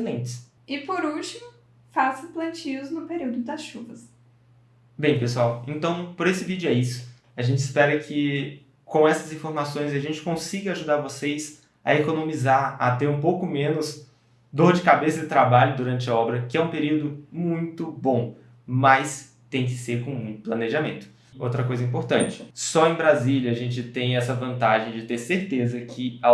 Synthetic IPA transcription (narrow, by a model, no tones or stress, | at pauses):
slẽt͡ʃɪs | ɪpoɾuwt͡ʃimʊ | fasɐ̃plɐ̃t͡ʃiʊznʊpeɾiwd̪ʊd̪ɐsʃuvɐs | bẽj̃pesuawḛ̃nt̪ɐ̃w̃poɾesɪvid͡ʒʊɛisʊ̥ | ɐʒẽnt͡ʃɪspɛɾɐkʰɪ | kõw̃ɛsɐzĩfoɾmasõj̃zɐʒẽnt͡ʃɪ̥kõsiɡɐaʒud̪aɾvosejs | ɐ̰ekonõmizaɾɐt̪eɾũpowkʊmẽnʊz | d̪oɾd͡ʒɪkabesɐd̪ɪt̪ɾabaʎʊd̪uɾɐ̃nt͡ʃɪɐɔbɾɐkɪɛũpeɾiwd̪ʊmũj̃t̪ʊbõ | mɐs | t̪ẽj̃k̬ɪ̥seɾkõmũj̃t̪ʊ̥plɐneʒamẽnt̪ʊ̥ | owt̪ɾɐkojzɐĩpoɾt̪ɐ̃nt͡ʃɪ̥sɔẽj̃bɾaziʎɐaʒẽnt͡ʃɪt̪ẽj̃ɛsɐvɐ̃nt̪aʒẽj̃d͡ʒɪt̪eɾseɾt̪ezɐkʰɪa